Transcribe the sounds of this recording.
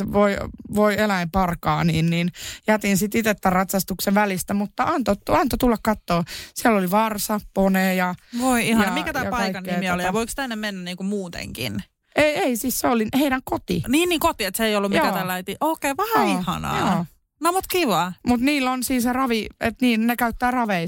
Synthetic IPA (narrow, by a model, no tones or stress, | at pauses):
eʋoiʋoielæimpɑrkɑ̰ːniːnniːnjɑt̪insit̪it̪et̪ːærrɑt̪sɑst̪ukseʋʋælist̪æmut̪ːɑʔɑnt̪oɑnt̪ot̪ulːɑkkɑt̪ːoːsiælːoliʋɑrsɑponeːjɑʋoiihɑnɑmikæt̪æːjɑkpɑɑiikɑnːeiːtmiolij̪ɑʋoikst̪ænːemmenːænniːŋkumuːt̪ḛŋkḭn | eieisisseoliheiɾæŋkot̪ḭniːnːiːŋkot̪iet̪seijolːumjoæːt̪ælːæit̪iʔoːkeːʋɑɑihɑ̰nɑ̰joː | nɑmot̪kiʋɑmut̪niːlːonsiːnserɑʋiḛt̪niːnnekæyt̪ːæːrɑʋei